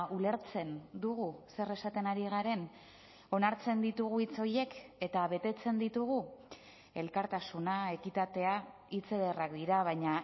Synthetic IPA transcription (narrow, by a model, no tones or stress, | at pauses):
ule̞ɾt͡se̞nd̪uɣuse̞re̞sat̪e̞naɾiɣ̞aɾe̞n | o̞naɾt͡se̞nd̪it̪uɣ̞uit͡so̞je̞ke̞t̪aβ̞e̞t̪e̞t͡se̞nd̪it̪uɣ̞u | e̞lkaɾt̪asunae̞kit̪at̪e̞a | it͡se̞ðerakd̪iɾaβ̞ajɲa